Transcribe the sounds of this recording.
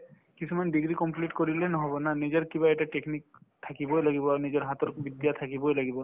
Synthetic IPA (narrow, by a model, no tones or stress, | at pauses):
kit͡ʃʰumanbiɡɾikɔmpliʈkoɾilenɔɦɔbɔnanid͡ʒɔɾkibaɛʈaʈeknik̚t̪ʰakibɔjlaɡibɔaɾnid͡ʒɔɾɦat̪ɔɾbid̪jat̪ʰakibɔjlaɡibɔ